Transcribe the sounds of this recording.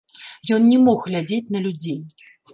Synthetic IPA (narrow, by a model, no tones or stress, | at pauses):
jɔnnʲɛmɔxɣlʲad͡zʲet͡sʲnɐlʲud͡zʲi